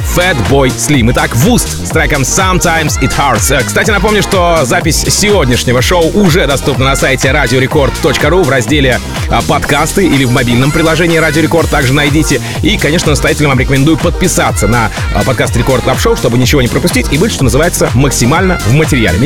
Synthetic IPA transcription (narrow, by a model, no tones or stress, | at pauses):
fɛd̪bo̞jsʲlʲimɨt̪akvust̪st̪ɾajkəmsɐmt̪ajmsɪt̪xart̪skst̪atʲɪnɐpo̞mnʲʊʂt̪o̞zapʲɪsʲsʲɪvo̞dʲnʲɪʂnʲɪvəʂoʊʔʊʐɛd̪ɐst̪upnənɐsajɪtʲɪɾadʲɪoɾʲɪko̞rt̪ːo̞t͡ɕkəɾuvrɐzʲdʲelʲɪ | pɐt̪kast̪ɨʔilʲɪvmɐbʲilʲnəmpɾʲɪlˠɐʐɛnʲɪiːɾadʲɪoɾʲɪko̞rt̪ːaɡʐɨnɐjdʲitʲɪ | ikɐnʲe̞ʂnənəst̪ɐjatʲɪlʲnvamɾɪkəmʲɪnd̪ujʊpət̪̚pʲɪsat̪sənɐ | pɐt̪̚kast̪ɾʲɪko̞rt̪opʂoʊʂt̪o̞bɨnʲɪt͡ɕɪvonʲɪpɾəpʊsʲtʲitʲibɨt̪ʲʂt̪onəzɨvajɪt̪səməksʲɪmalʲnəvmətʲɪɾʲɪja̰lʲɪ̰m